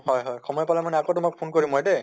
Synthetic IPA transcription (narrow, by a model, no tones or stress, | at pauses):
hɔjɦɔjxɔmɔjpalamanɛakotʊmak̚pʰonkoɹimɔjdɛ